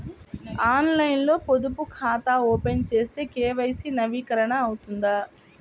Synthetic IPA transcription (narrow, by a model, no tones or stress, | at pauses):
aːnlɐjnlo̞ːpod̪upukʰaːt̪aːoːpent͡ʃe̞ːst̪e̞ːkeːʋɐjsinɐʋiːkɐɾɐɳɐːwut̪und̪a